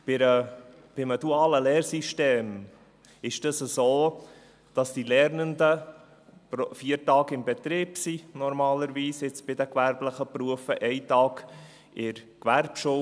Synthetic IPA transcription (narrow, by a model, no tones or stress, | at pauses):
b̥ɪɾə | b̥ɪməd̥uɑːləlɛːɾsiʃteːm | ɪʃd̥ɑsəsoː | d̥ɑsd̥ilɛɾnəndə | pɾfiːəɾtɑːɡɪmbɛt̪ɾɪːpsinɔɾmɑːləɾviːsɪt͡sb̥ɪdəkvæɾbləχəpɾuəfəʔɛɪtɑːɡ | ʔɪɾkʋæɾpʃu